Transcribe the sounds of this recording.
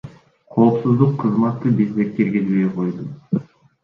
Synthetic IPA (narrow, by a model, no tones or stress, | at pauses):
qʰo̞ːpsuzd̪uqʰːɯzmɑt̪ːɯbizd̪ekkːeɾɡezbe̞jqʰo̞jd̪u